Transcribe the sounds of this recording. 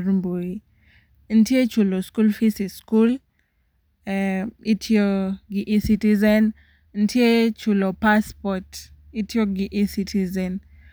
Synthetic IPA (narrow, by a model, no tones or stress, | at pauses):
ɾmboi | n̩tjet͡ʃuloskulfisiskul | itʰjoɡiʔisitizɛn | n̩tʰjet͡ʃulopaspɔt | itʰjoɡɪʔisitʰizɛn